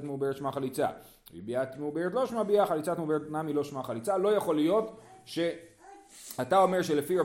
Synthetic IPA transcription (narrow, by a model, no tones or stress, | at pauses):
t̪meubeʁetʃmaχalit͡sa̰ | ḭbiat̪meubeʁet̪̬lo̞ʃmabiaχalit͡sat̪meubeʁetnamilo̞ʃmaχalit͡salo̞jaχo̞lijo̞tʃe̞ | atao̞meʁʃe̞lefia